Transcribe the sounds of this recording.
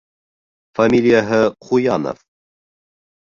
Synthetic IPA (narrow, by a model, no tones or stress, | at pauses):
famʲilʲijaɦəχujɑnə̰f